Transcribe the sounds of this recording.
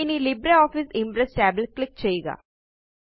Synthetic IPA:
inilɪbɾeɔːfɪsɪ̃mpɾesʈɛːblklɪk̚t͡ʃɐiːɡa̰ː

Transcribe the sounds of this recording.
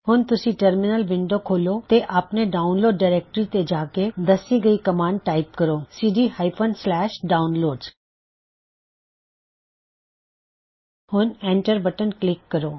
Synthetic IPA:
hʊnt̪ʊsĩːʈəɾmɪnəlʋɪ̃ɳɖoːkʰoːloːt̪eʔapneːɖaːʊnloːɖːaːɾeːk̚ʈɾiːt̪ed͡ʒaːked̪əsiːɡəiːkəmãːɳɖ̚ʈaːɪpkəɾoːsiːɖiːhaːɪpʰənslɛːʃɖaːʊnloːɖz | hʊnɛ̃ːɳʈəɾbəʈənklɪkːəɾoː

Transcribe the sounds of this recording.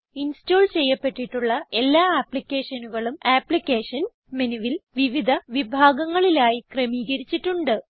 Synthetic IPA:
insto̞ːɭt͡ɕe̞jːɐpːe̞ʈːiʈːuɭːɐe̞lːaːaːpɭikʲːe̞ːʂɐnuɣɐɭumaːpɭikʲːe̞ːʂɐn | menuʋilʋiʋid̪ʱɐʋibʱaːɡɐŋːɐɭilaːjikrɐmiːɣɐɾit͡ɕːiʈːuɳɖɨ

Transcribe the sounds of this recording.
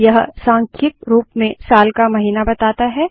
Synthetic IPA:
jɐɦsãːŋkʰɪk̪ɾuːpmẽsaːlkamɐɦiːnabɐt̪aːt̪aɦɛː

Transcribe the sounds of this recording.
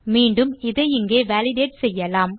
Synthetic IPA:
miːɳɖɯmɪðɐjɪŋɡeːʋaːlɪɖeːʈsɛjːɐlaːm

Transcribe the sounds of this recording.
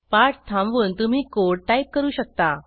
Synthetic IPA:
paʈt̪ʰãmʋuːnt̪um̤iːkoɽʈajp̚kəɾuːɕək̚t̪a

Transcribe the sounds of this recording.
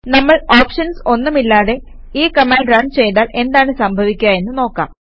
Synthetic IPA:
nɐmːɐɭaːpʂɐnso̞nːumilːaːðe̞ | iːkɐmaːɳɖɾaːɳt͡ɕe̞jt̪aːlʔe̞nd̪aːɳɨsɐmbʱɐʋikʲːuaːje̞nːuno̞ːkːa̰ːm

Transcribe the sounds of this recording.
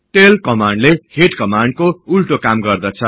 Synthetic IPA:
ʈelkʌmaɳɖleheʈkʌmaɳɖkoulʈokamɡʌrd̪ʌt͡sʰʌ

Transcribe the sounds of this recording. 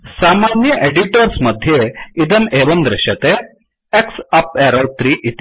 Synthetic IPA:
saːmanjəʔeɖiʈəɾsmɐd̪ʱjeid̪ɐneːʋənd̪ɾɪɕɐt̪e | eksɐpeɾɐlt̪ɾiːʔit̪i

